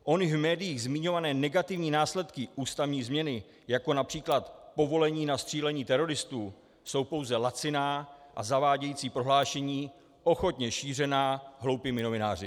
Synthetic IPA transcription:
ʔo̞nɪvmɛːdɪjiːɣzmɪɲo̞vanɛːnɛɡat̪ɪvɲiːnaːslɛt̪kɪʔuːst̪avɲiːzmɲɛnɪ | jako̞napr̝̥iːklat̪po̞vo̞lɛɲiːnast̪r̥iːlɛɲiːt̪ɛɾo̞ɾɪst̪uː | so̞wpo̞wzɛlat͡sɪnaːʔazavaːɟɛjiːt͡siːpɾoɦlaːʃɛɲiː | ʔo̞xo̞t̪ɲɛʃiːr̝ɛnaːɦlo̞wpɪmɪno̞vɪnaːr̝ɪ

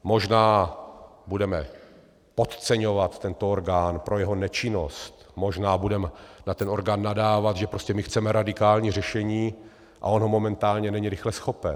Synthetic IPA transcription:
moʒnaː | budɛmɛ | po̞t̪t͡sɛɲo̞vat̪ːɛnt̪ooɾɡaːnpɾʔo̞jɛɦonɛt͡ʃɪno̞st̪mo̞ʒnaːbudɛmɛnat̪ɛno̞ɾɡaːnːadaːvat̪ʒɛpɾo̞scɛmɪxt͡sɛmɛɾadɪkaːlɲiːr̝ɛʃɛɲiː | ʔa̰o̞nɦo̞mo̞mɛnt̪aːlɲɛnɛɲiɾɪxlɛsxo̞pɛn

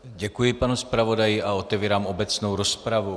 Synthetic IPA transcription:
ɟɛkujɪpanuspɾavo̞dajɪʔao̞t̪ɛviːɾaːmo̞bɛt͡snowɾospɾavu

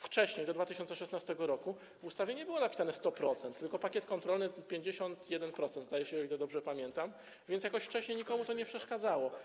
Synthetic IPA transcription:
ft͡ʂɛɕɲejd̪ɔd̪vat̪ɘɕɔnt̪sɛʂɛsnast̪ɛɡɔɾɔku | vust̪avʲjeɲɛbɘwɔnapʲi̥sanɛst̪ɔpɾɔt̪sɛnt̪ːɘlkɔpakʲjɛt̪kɔnt̪ɾɔlnɘpʲjeɲd͡ʑeɕɔnt̪jɛd̪ɛnpɾɔt̪sɛnd̪zd̪ajɛɕɛɔilɛd̪ɔbʐɛpamʲjɛnt̪am | vʲjɛntsjakɔɕft͡ʂɛɕɲejɲikɔmut̪ɔɲɛpʂɛʂkad̪zawɔ

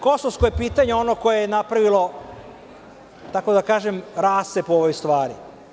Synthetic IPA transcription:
ko̞soʋskojepiːt̪aɲeo̞noko̞jejenapɾaʋilˠo̞ | t̪ako̞d̪akaːʒemɾaːst̪epooʋojst̪ʋaːɾi

